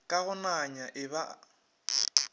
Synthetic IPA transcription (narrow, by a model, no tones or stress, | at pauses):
kʼaɣʊnaɲaʔɪβa